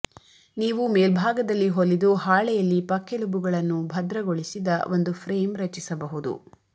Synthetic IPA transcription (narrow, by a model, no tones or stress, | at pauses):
niːʋumeːlbʱaːɡɐd̪ɐlːiɦolid̪uhaːɭɛjɐlːipɐkʰːelubuɡɐɭɐnːubʱɐd̪ɾɐɡoɭisid̪ɐʔo̞nd̪upʰɾeːmɾɐt͡ʃisɐbɐɦud̪ṵ